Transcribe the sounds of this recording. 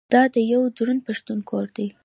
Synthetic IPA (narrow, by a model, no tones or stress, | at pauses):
d̪̥ɑd̪əjawd͡ʒɾunpaʃt̪unkʰoɾd̪i